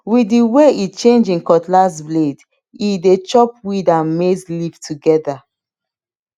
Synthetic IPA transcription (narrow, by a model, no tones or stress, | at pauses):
widiweit͡ʃẽnd͡ʒĩkɔtlasbled | idet͡ʃɔp̚widãnmeslivtʰuɡɛda